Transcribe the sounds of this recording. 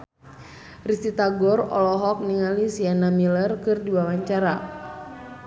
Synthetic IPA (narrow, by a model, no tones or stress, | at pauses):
rist̪it̪aɡɔrɔ̰lɔɦɔk̚niŋalisianamilərkɨrdiwawaɲt͡ʃaɾa